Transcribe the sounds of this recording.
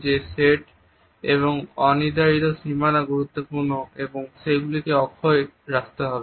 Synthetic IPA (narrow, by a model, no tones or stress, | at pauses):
d͡ʑeseʈ | eβoŋɔnid̪ait̪oʃimanaɡuɾut̪ːopuɾnoeboŋʃejɡulikeɔkʰːoeɾakt̪eɦɔbe